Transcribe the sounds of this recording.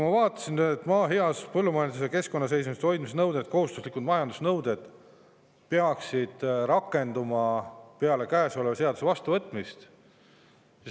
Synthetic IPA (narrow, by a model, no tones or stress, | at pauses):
kumɑvɑːt̪ːˑɑ̥sint̪ːˑmɑːɦiɑspɤlːumɑjɑnd̪usjɑke̞sko̞nːɑs̬e̞jsmiset̪o̞jd̪̥mis̬enɤwd̪et̪̚ko̞hust̪uslikˑud̪mɑjɑnd̪usnɤwd̪e̞d̪̥ | peɑksid̪̥ɾɑkːˑe̞nd̪umɑpeɑle̞kæːso̞levɑse̞ɑd̪use̞vɑst̪uvɤt̪ːˑmist̪ | sis